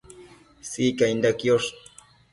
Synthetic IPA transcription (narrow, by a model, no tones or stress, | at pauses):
sikaind̪akjoʂ